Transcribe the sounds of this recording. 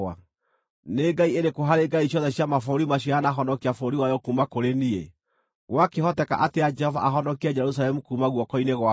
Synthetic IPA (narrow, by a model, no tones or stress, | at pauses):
a | neɡaieɾekoɦaɾeɡaiɕjɔðɛɕjamafoɾimaɕ̬ianaɦɔnɔkiafoɾiwajɔkuːmakoɾenie | ɣwakehɔtɛka̰ʔatead͡ʒɛhɔva̰ʔaɦɔnɔkiad͡ʒɛɾusalɛmukuːmaɣwɔkɔineɣwa